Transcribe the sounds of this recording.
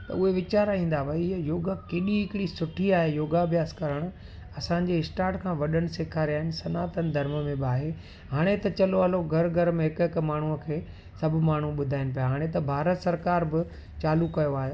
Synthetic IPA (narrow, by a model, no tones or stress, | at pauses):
t̪ɐ̰ʊɦeʋɪt͡ɕaːɾaĩːn̆d̪aʋɐijoːɡakeːɗiɦɪkɪɽisʊʈʰiaːɦejoːɡabʱjaːskɐɾəɽ̃ʊ | ɐsãɲ̆d͡ʑeːɪsʈaːɾʈkʰãːʋɐɗəɽ̃ɪ̆seːkʰaːɾiaːɦɪnɪ̆sɐnaːt̪ənɪ̆d̪ʱɐɾməmẽbaːɦeː | ɦaːɽ̃et̪ɐt͡ɕɐloɐloɡʱɐɾɡʱɐɾmẽɦɪkɦɪkmaːɳ̤uəkʰeː | sɐbʱʊmaːɳ̤uɓʊd̪ʱaːɪnɪ̆p̬ijaɦaːɽ̃et̪ɐbʱaːɾət̪sɐɾkaːɾbɪ | t͡ɕaːlukɐjoaːɦe